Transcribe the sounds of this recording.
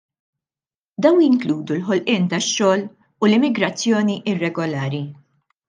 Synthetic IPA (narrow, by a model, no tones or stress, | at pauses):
d̪ɐwnjɪŋkluːd̪ulħɔlʔɪːnt̪ɐʃːɔːl | ulɪmːɪɡɾɐt͡sːjɔːniʔɪrːɛɡɔlɐːɾi